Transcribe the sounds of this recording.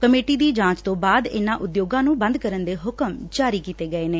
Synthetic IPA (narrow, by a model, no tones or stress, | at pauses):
kəmeːʈiːd̪iːd͡ʒãːt͡ʃt̪õːbaːd̪ɪ̰nãːʔʊd̪joːɡãːnũːbə̃nd̪kəɾənd̪eːɦʊkəmd͡ʒaːɾiːkiːt̪eːɡəeːneː